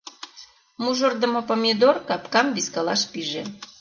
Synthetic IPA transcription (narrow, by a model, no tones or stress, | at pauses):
muʒŏrd̪ə̆mopomʲed̪orkɑpkɑmbiskɑlɑʃpiʒe